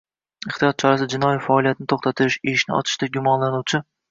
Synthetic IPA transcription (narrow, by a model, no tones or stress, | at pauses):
ɪχt̪ijɒt̪̚t͡ʃʰɒɾasd͡ʒɪnɒifaːlˠijat̪ɪnɪt̪ʰoχt̪ʰat̪ʰɪɪʃeʃnɪɒ̰t͡ʃ̪ʰɪ̥ʃt̪aɡʲʊmɒnlanuwt͡ʃʰɪ